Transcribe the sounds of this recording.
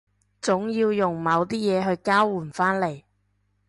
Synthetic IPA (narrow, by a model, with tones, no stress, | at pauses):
t͡sʊ˨˥ŋjiː˧wjʊ˨˩ŋmɐ˨˧wt̪iː˥jɛː˨˧ɦɵ˧ɥkaː˥wːuː˨˩nfaː˥nle˨˩j